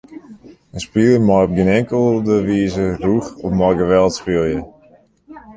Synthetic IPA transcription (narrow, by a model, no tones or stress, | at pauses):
ənspiəlˠəmɔjɔp̚ɡənɛŋkəlˠdəʋiːzəruxɔfmɔjɡəʋɛlˠtspiəlˠjə